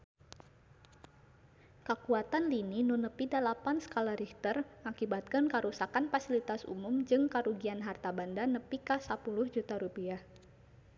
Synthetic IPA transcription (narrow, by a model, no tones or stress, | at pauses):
kəkuat̪anlininunəpidalapansə̥kalaɾiht̪ərŋakibat̪̚kənkaɾusakanfasilit̪asṵmʊmd͡ʒɨŋkaɾuɡianɦart̪abandanəpikasapulʊhd͡ʒut̪aɾupiah